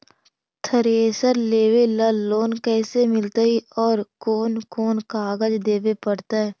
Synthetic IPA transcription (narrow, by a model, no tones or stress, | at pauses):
t̪ʰəɾeːsəɾleːʋeləlːoːnkɛːsemɪlt̪aiɔːɾkoːnkoːnkaːɡəd͡ʒd̪eːʋepəɽt̪aɦɛː